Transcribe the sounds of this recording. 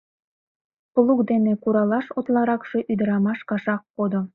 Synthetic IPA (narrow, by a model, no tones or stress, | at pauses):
polˠukd̪enekuɾɑlˠɑʃot̪lˠɑɾɑkʃĕʔyd̪ɘ̆ɾɑmɑʃkɑʃɑq̚ːod̪ŏ